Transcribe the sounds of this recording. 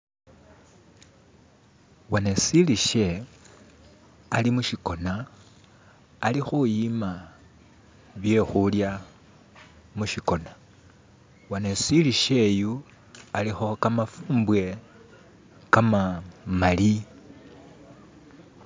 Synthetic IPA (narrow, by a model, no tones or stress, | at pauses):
wanesiliʃe̞ | alimuʃiko̞na | lixujima | βje̞xulja | muʃiko̞na | wanesiliʃe̞ju | alixokamafuːmbwe̞ | kamamali